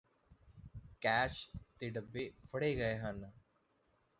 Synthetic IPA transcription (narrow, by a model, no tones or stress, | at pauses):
kɛːt͡ʃt̪eːɖəbːeːfʰəɽeːɡəeːɦən